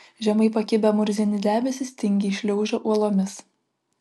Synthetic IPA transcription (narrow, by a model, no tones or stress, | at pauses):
ʒʲɛmɐɪpɐkʲɪbʲɛmʊɾʲzʲinʲɪd̪ʲæːmʲɛsʲɪsʲt̪ʲɪŋʲɡʲiːʃʲlʲɛʊʒʲoːʔuɔlˠoːmʲɪs